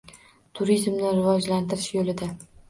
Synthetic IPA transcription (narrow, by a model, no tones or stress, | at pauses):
t̪ʰʊɾizmnɪɾɪvɒd͡ʒlant̪ʰɪɾɪʃjolɪd̪a